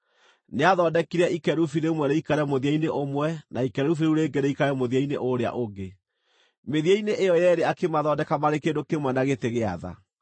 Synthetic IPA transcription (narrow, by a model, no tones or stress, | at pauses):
neaðɔːdɛkiɾɛikɛɾufiɾeumwɛɾeikaɾɛmoðiaineʔomwɛnaikɛɾufiɾeuɾeɡɛɾɛikaɾɛmoðiaineʔoɾea̰ʔoɡe | meðiaineʔːjɔjɛɾeakemaðɔdɛkamaɾekedokemwɛnaɣeteɣeaða̰